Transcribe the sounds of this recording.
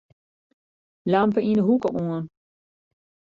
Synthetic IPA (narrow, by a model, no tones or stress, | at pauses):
lampəindəɦukəʔuən